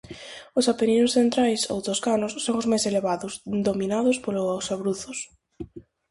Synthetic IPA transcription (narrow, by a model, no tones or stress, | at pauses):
ʊsapeninʊsθent̪ɾajso̰wt̪oskanʊssːoŋʊzmajseleβaðʊsd̪omĩnaðʊspolʊsaβɾuθʊs